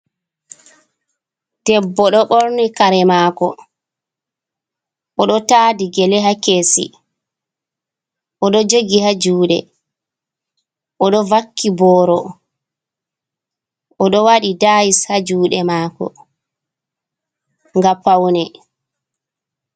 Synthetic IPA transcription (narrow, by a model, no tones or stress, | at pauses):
d̥ɛbːɔɗɔɓɔɾnikaɾɛmaːkɔ | ʔɔɗɔtaːdiɡɛlɛɦakeːsḭ | ʔɔɗɔd͡ʒoɡihad͡ʒuːɗɛ̰ | ʔɔɗɔvakːibɔːɾɔ | ʔɔɗɔwaɗidaːjishad͡ʒuːɗɛmaːkɔ̰ | ŋɡapːawnɛ